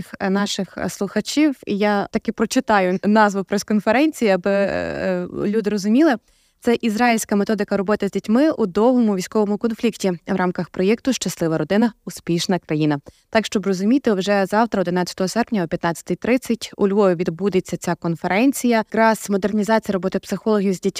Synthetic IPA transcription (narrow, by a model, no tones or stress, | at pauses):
xnɑʃɪxslˠʊxɐt͡ʃʲiwjat̪ɐkɪpɾɔt͡ʃɪt̪ɑjʊnɑzʋʊpɾeskɔnfeɾɛnʲt͡sʲijiɐbɪ | lʲud̪ɪɾɔzʊmʲilˠɪ | t̪sɛʔizɾɑilʲsʲkɐmet̪ɔd̪ɪkɐɾɔbɔt̪ɪzʲdʲitʲmɪud̪ɔɦɔmʊʋʲijsʲkɔʋɔmʊkɔnflʲiktʲiwɾɑmkɐxpɾɔjɛkt̪ʊʃt͡ʃɐslˠɪʋɐɾɔd̪ɪnɐʊspʲiʃnɐkɾɐjinɐt̪ɑkʃt͡ʃɔbrɔzʊmʲit̪ɪwʒɛzɑwt̪ɾɐɔd̪ɪnɑt͡sʲɐ̥t̪ɔɦɔsɛrpnʲɐɔpʲjɐt̪nɑt͡sʲːɐ̥t̪ɪjt̪ɾɪt͡sʲːɐtʲṵlʲʋɔjʊʋʲid̪bud̪et͡sʲːɐt͡sʲakɔnfeɾɛnʲt͡sʲijɐkɾɑz̥mɔd̪ernʲizɑt͡sʲijɐɾɔbɔt̪ɪpsɪxɔlˠɔɦʲiwzʲdʲitʲ